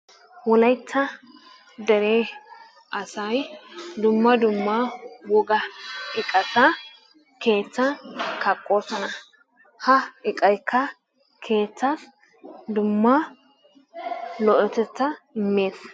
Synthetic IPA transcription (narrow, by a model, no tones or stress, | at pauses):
wɔlɐjt͡sːɐ | d̪ɛɾeː | ʔɐsɐjd̪ʊmːɐd̪ʊmːawɔɡɐɪkʼɐtɐ | ke̞ːt͡sːɐkɐkʼːo̞ːsɔnɐ | hɐɪkʼɐjkʰːɐ | kʰe̞ːt͡sːas | d̪ʊmːɐ | lɔʔɔt̪ɛt͡sːɐɪmːe̞ːs